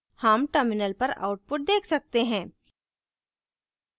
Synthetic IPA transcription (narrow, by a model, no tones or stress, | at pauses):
hɐmʈəɾmɪnəlpɐɾa̰ʊʈ̚pʊʈ̚d̪eːkʰsɐk̚t̪eɦɛ̃ː